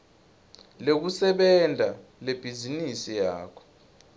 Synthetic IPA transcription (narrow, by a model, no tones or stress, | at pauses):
lek̬usɛɓɛndʱaleb̥ʱizinisija̰ːkʰɔ̥